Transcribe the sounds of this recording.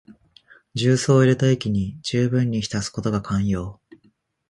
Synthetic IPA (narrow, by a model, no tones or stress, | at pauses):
d͡ʑɨːso̞ːiɾet̪aekʲiɲ̟id͡ʑɨːbɯ̟̃ɲ̟ːiçi̥t̪asɨ̥ko̞t̪o̞ɡakʰãɰ̃jo̞ː